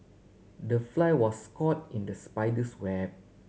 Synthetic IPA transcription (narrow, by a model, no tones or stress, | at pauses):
dəflajwɔskʰɔt̚ĩndəspaɪdəswɛ